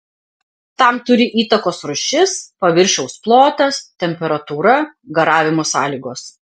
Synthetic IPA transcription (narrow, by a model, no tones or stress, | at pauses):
t̪ɐmt̪ʊɾʲɪʔiːt̪ɐkoːsɾʊʃʲɪspɐʋʲɪɾʲʃʲɛʊsplˠoːt̪ɐst̪ʲɛmʲpʲɛɾɐt̪uːɾɐɡɐɾɑːʋʲɪmoːsɑːlʲiːɡoːs